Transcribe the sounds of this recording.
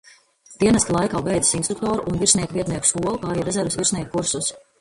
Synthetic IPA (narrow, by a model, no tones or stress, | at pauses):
d̪̥iɛnɛsklˠajkaːbɛjd̪zasinst̪ɾuk̚t̪ɔːɾuʔːnviɾsniɛkviɛt̪niɛkʃkuɔlˠkaːɾiːɾɛzɛɾvesviɾsniɛk̚kːuɾsus